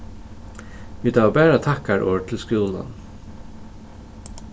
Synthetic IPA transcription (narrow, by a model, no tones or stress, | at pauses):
ʋiːd̪ɑːʋbæːɹat̪ʰɑkaɹʔoːt̪ʰɪlskuːla̰n